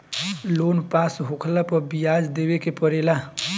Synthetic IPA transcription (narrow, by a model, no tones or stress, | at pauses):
loːnpaːsɦʊkʰlapɔbijaːd͡ʒd̪eːwekepəɾeːla